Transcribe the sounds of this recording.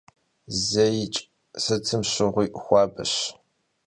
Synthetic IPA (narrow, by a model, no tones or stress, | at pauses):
zɐjɪt͡ʃʼ | sɨt͡sʰɨmɕɪʁʷiːʔxʷɑːbɨ̰ɕ